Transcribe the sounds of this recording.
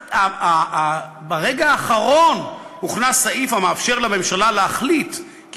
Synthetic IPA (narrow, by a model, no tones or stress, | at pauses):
aa | baʁe̞ɡaːχaʁo̞n | muχnasaʔifamaːfʃe̞ʁlame̞mʃalaleaχlit | k